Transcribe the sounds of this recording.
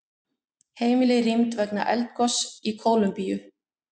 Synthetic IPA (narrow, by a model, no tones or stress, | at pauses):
heːjmɪlɪrimt̪vɛkna̰ʔɛlt̪̚kɔsikʰoːwlʏmpijʏ